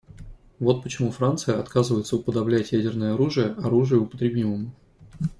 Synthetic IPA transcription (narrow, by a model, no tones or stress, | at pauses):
vo̞t̪̚pət͡ɕɪmufɾant̪sɨjəɐt̪kazɨvəjɪt̪səʊpəd̪ɐblʲætʲjædʲɪrnəjəɐɾuʐɨjəʔɐɾuʐɨjʊʊpət̪ɾʲɪbʲiməmʊ